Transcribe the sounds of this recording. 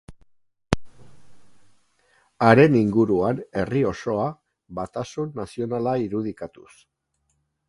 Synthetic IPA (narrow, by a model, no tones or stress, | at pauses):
aɾe̞niŋɡuɾuane̞rio̞so̞a | βat̪asunːasio̞nalaiɾuð̞ikat̪us